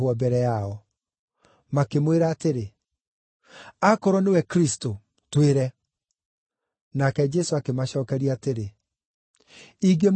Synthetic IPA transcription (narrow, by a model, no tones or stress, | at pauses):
ɔbɛɾɛaɔ | makemweɾaːteɾe | akɔɾɔnewɛkɾisto | tweɾɛ | nakɛd͡ʒɛsoakemaɕɔːkɛɾiateɾe | iɡem